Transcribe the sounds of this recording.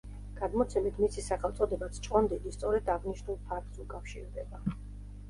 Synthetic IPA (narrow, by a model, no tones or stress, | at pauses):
ɡ̥ad̪mɔt̪sʰɛmit̪ʰmisisaχɛlˠt̪sʼɔd̪ɛbat̪sʰt͡ʃʼqʼɔnd̪id̪ist̪sʼɔɾɛd̪aʁniʃnulˠpʰak̚t̪sukʼafʃḭɾd̪ɛba